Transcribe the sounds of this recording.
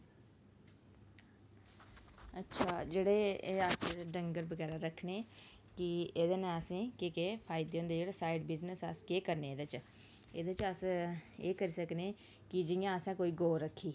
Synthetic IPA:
ətːʃʰaːd͡ʒeːɽeːəsɖəŋɡəɾbəɡɛːɾaːɾəkʰneː | kɪed̪nẽəsĩːkeːkeːpʰaːɪd̪eːõːnd̪eːd͡ʒeːɽaːsaːiɖbɪznəsəskeːkəɾneːd̪at͡ʃ | eːd̪et͡ʃəseːkəɾiːsəkneː | kɪd͡ʒɪjãːəsãːkoːiːɡoːɾəkʰːiː

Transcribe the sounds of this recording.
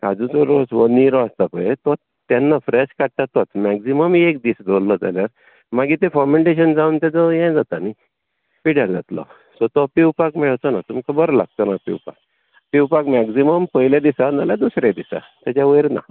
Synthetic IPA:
kad͡zũt͡sɔɾosʋɔniɾɔast̪apəjet̪ɔ | t̪anːafɾeɕkaʈʈ̪at̪ɔt̪mɛksiməmiekd̪isd͡z̪olːɔd͡za̰ljaɾ | maɡit̪efɔmeɳʈeɕənd͡zaunt̪ad͡zɔjɛ̃d͡zat̪ani | piɽaɾd͡zat̪lɔ̰ | sɔt̪ɔpiwpakmiɭəwt͡sənat̪umkabəɾɔla̰ɡ̚t̪ɔnapḭwpa̰k̚ | piwpakmɛksiməmpəɦiljad̪isanalad̪usɾed̪isa̰ | t̪jat͡ɕaʋəjɾna̰

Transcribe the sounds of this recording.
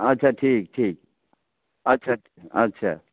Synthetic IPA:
ɐtːɕʰaʈʰiːk̚ʈʰiːk̚ | ɐtːɕʰa | ɐtːɕʰa̰

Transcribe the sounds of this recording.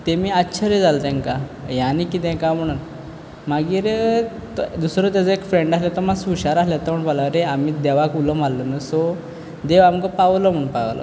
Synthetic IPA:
t̪emiːatːɕʰəɾed͡zalt̪ɛ̃ŋkajanikit̪ɛ̃kam̤əɽ̃uːn | maɡiːɾe | t̪d̪usɾot̪̬jad͡zəekfɾeɳɖaslet̪əmasuɕaɾasljat̪əm̤əɳpalaɾeamiːd̪ɛʋakuləmalːənəso | d̪eʋamkəpaʋlɔm̤əɳpaʋlə̰

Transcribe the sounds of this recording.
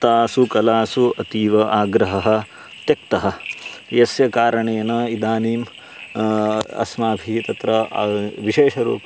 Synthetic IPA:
t̪aːsukɐlaːsuɐt̪iːʋɐʔaːɡɾɐɦɐɦɐ̆ | t̪jɐk̚t̪ɐɦɐ̆jɐsjɐkaːɾɐɳeːnɐid̪aːniːm | ɐ̰smaːbʱit̪ɐt̪ɾɐʋiʃeːʃɐɾṵːp

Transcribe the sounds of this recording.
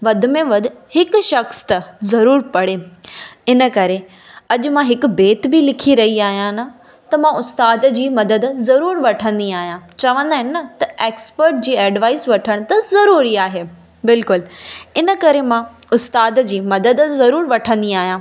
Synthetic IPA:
ʋɐd̪ʱʊ̆mẽʋɐd̪ʊ̆hɪkʃɐxst̪ɐzɐɾuːɾpɐɽe | ɪnəkɐɾe | ɐʄʊ̆mãɦɪkʊ̆beːt̪bɪlɪkʰiɾɐɦiaːɦijãnɐ | t̪ɐmãʊst̪aːd̪d͡ʑiːmɐd̪əd̪zɐɾuːɾʋɐʈʰə̃nd̪iaːɦijãt͡ɕɐʋə̃nd̪aːɦɪnɪ̆nɐt̪ɐeːkspəɾʈ̚d͡ʑiːɛːɖʋaːɪsʋɐʈʰəɽ̃t̪ɐzɐɾuːɾiaːɦeː | bɪlkʊlɪnə̆kɐɾemã | ʊst̪aːd̪d͡ʑiːmɐd̪əd̪zɐɾuːɾʋɐʈʰə̃nd̪iaːɦjãː

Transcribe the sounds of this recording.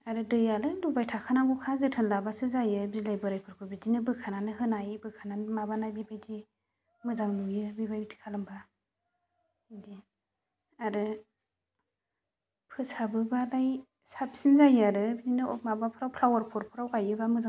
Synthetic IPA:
aɾɯdɯjalɯlubajtʰakʰanaŋɡukʰazɯtʰɯnlabasɯzajɯbizilajbɯɾajpʰɯɾkʰɯbidinɯbɯkʰananɯɦɯnajbɯkʰananmabanajbibajzi | mɯzaŋnujɯbibajbitʰi̥kʰalɯmba | idi | aɾɯ | pʰɯsabɯbalaj | sap̚sinzajaɾɯbizinɯɔmabapʰɯɾawpʰlawaɾpʰɔɾpʰɯɾawkajɯbamɯza

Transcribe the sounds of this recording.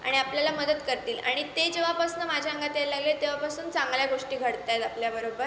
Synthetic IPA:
a̰ɽ̃iapljalaməd̪ət̪kəɾt̪iːla̰ɽ̃it̪ed͡ʑeʋapasnəmad͡ʑʱaəŋɡat̪alaɡlet̪eʋapasuːnt͡saŋɡljaɡoʂʈiːɡʱəɽt̪ajet̪apljabəɾobəɾ

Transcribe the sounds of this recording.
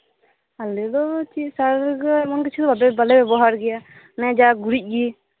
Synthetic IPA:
alɛd̪ɔt͡ʃisaɾɾɡamɔnkɛt͡ʃʰud̪ɔbabɛbalɛbɛbɔɦaɾɡɛja | nɛd͡ʒaɡuɾic̚ˀɡi

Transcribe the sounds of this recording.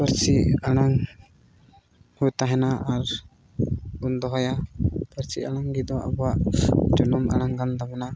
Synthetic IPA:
pəɾt͡ʃiaɽ̃aŋ | hujt̪aɦɛnaʔaɾ | ɡund̪ɔɦɔjapəɾt͡ʃiʔaɽaŋɡid̪ɔa̰bɔwaʔd͡ʒɔnɔma̰ɽ̃aŋɡand̪abɛna

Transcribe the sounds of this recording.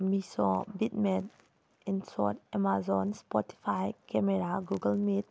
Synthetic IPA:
misɔ̃bit̪̚mɛt | insɔ̰tɛmazɔnspɔti̥fajkɛmɛɾaɡuɡəlmit̪̚

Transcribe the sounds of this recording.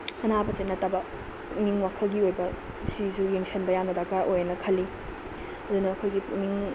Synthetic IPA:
ɐnabɐt͡ʃenɐtabɐ | miŋwakʰɐlɡiojbɐ | sisujeŋsʰenbɐjamnɐdakaʔojnɐkʰɐlːi | ɐd̪unɐːkʰojɡimiŋ

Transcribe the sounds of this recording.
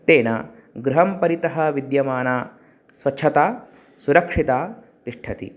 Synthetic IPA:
t̪eːnɐ̰ | ɡɾuɦɐmpɐɾit̪ɐɦɐʋid̪jɐmaːnaː | sʋɐt͡ʃʰʃʰɐt̪aː | suɾɐkʂit̪aː | t̪iʂʈʰɐt̪ḭ

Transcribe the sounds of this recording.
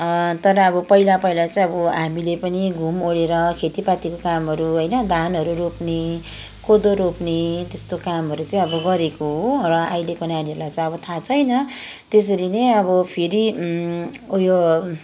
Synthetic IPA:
t̪ʌɾʌːbʌpʌilapʌilat͡saĩʌbʌɦamilepʌniɡʱumoɽeɾʌkʰet̪ipat̪ikokamɦʌɾuɦʌjnʌd̪ʱanɦʌɾuɾopne | kod̪oɾopnet̪est̪okamɦʌɾut͡saĩʌbʌɡʌɾekoɦorʌajlekʌnaniʌɾulajt͡sãĩʌbʌt̪ʰat͡sʰʌjnʌt̪es̬ʌɾineʌbʌpʰeɾi | ujo

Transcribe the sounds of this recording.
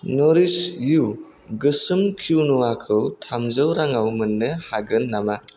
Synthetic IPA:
nɔɾisju | ɡɯsɯmkʰuwnuwakʰɯwtʰamzɯwɾaŋawmɯnːɯhaɡɯnːama

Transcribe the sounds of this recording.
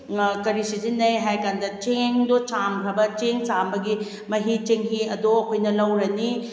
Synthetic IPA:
kɐɾisid͡ʒinːɐjɦajkandɐt͡ʃeŋdot͡ʃamkʰɾɐbɐt͡ʃeŋt͡ʃambɐɡi | mɐɦit͡ʃeŋɦiɐdoɐkʰojnɐlɐwɾɐni

